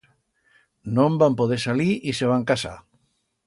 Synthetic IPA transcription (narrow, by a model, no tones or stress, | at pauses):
nõmbampoð̞esaliʔiseβ̞aŋkasa̰